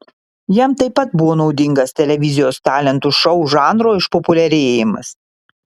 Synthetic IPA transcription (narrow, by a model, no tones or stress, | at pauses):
jɛmt̪ɐɪpːɐt̪bʊʋoːnɒʊd̪ʲɪŋɡɐst̪ʲɛlʲɛʋʲɪzʲɪjoːst̪ɑːlʲɛnt̪uʃɒʊʒɑːnɾoːɪʃpɔpʊlʲɛɾʲeːjɪmɐ̰s